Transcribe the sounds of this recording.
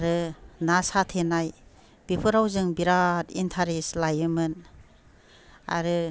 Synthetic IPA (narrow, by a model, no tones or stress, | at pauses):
aɾɯnasatʰenaj | b̥ipʰɯɾawzɯŋbiɾatintʰaɾeslajɯmɯn | a̰ɾɯ